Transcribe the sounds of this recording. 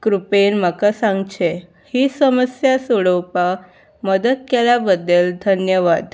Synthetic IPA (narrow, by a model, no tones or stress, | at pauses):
kɾupenmakasãŋɡt͡ɕʰe | hisəməsjasuɽəwpa | məd̪ət̪̚kelabəd̪ːeld̪ʱənjəʋad̪